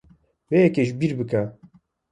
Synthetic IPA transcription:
vejɛkeʒbiɾbɨka

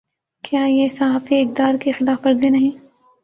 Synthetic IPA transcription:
kjaːjesɐɦaːfieɪk̚d̪aːɾkixɪlaːfɐɾzinɐɦĩː

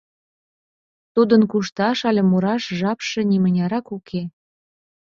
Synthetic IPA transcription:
t̪ud̪ənkuʃt̪ɑʃɑlʲemuɾɑʃʒɑpʃĕnʲimə̆nʲɑɾɑkukʰe

